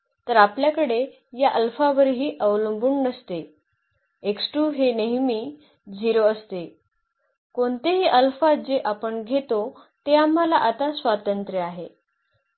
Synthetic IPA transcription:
t̪əɾapljakəɽe | jaʔəlfaʋəɾɦiːʔəʋləmbuːɳnəst̪e | eksʈuːɦeneɦmiː | d͡ʑiɾoəst̪e | koɳt̪eɦiːʔəlfad͡ʑeʔapəɳɡʱet̪o | t̪eam̤ːalaʔat̪asʋat̪ənt̪ɾjəaɦe

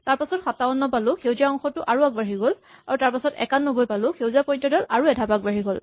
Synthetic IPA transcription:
taɹpasɔtxataɔnːɔpalʊkʰewzaɔŋxɔtʊʔaɹuak̚baɦiɡol | aɹutaɹpasɔtɛ̰kanːubojpalʊxʰewziapɔjtːɔdɔlaɹuɛdʱapak̚baɹiɡol

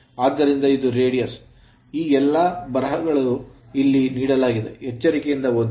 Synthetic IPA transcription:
aːd̪ːɐɾind̪ɐid̪uɾe̞ːɽijɐs | iːɛlːɐbɐɾɐɦɐɡɐɭu | ilːiniːɽɐlaːɡid̪ḛɦɛt͡ʃːɐɾikejind̪ɐod̪

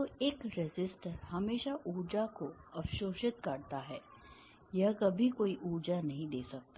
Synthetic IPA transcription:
t̪oeːkɾɪzɪsʈəɾhɐmeːʃaʔuːd͡ʒakoɐfʃoːʃɪt̪kɐɾt̪aɦɛː | jɐɦkɐbʱikoːiʔuːd͡ʒanɐɦĩd̪eːsɐk̚t̪a

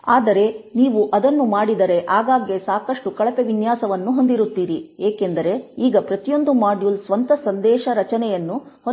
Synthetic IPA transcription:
aːd̪ɐɾe̞niːʋuʔɐd̪ɐnːumaːɽid̪ɐɾe̞ʔaːɡaːɡjesaːkɐʂʈukɐɭɐpe̞ʋinjaːsɐʋɐnːuɦo̞nd̪iɾut̪ːiːɾieːke̞nd̪ɐɾe̞iːɡɐpɾɐt̪ijo̞nd̪umaːɖjulsʋɐnt̪ɐsɐnd̪ɛːʃɐɾɐt͡ʃɐnɛjɐnːuho

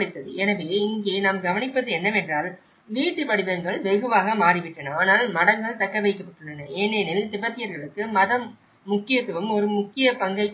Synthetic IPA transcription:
ɽɪt̪ːɐðɯ̰ɛnɐʋeːɪŋɡeːnaːmɡɐʋɐnɪpːɐðɯɛnːɐmɛndraːl | ʋiːʈːɯpɐɽɪʋɐŋɡɐɭʋɛɣɯʋaːɣɐmaːrɪʋɪʈːɐnɐaːnaːlmɐɽɐŋɡɐɭt̪ɐkːɐʋɐɪkːɐpːɐʈːɯɭːɐnɐʔeːneːnɪlt̪ɪbɐt̪ːɪjɐɾɣɐɭɯkːɯmɐðɐmː | ʊkːɪjɐt̪ːɯʋɐmɔɾɯmʊkːɪjɐpɐŋɡɐɪ

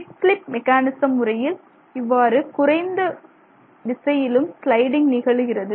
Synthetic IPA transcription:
slɪpmɛkːaːnɪsɐmːɯrɐjɪl | ɪʋːaːɾɯkʊrɐɪnd̪ɐ | ʋɪsɐjɪlɯmslɐɪɽɪŋɡnɪɣɐɭɯɣɪrɐðɯ

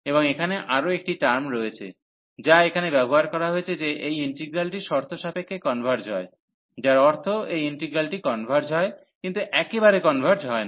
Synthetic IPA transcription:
eboŋekʰaneʔaɾoek̚ʈiʈaɾmɾojet͡ɕʰḛ | d͡ʑaekʰanebɛboɦaɾkɔɾaɦoet͡ɕʰed͡ʑeʔejiɳʈiɡɾalʈiʃɔɾt̪ʰoʃapekʰːekɔnbʱaɾd͡ʑɦɔe | d͡ʑaɾɔɾt̪ʰoejiɳʈiɡɾalʈikɔnbʱaɾd͡ʑɦɔe | kint̪uʔɛkebaɾekɔnbʱaɾd͡ʑɦɔe

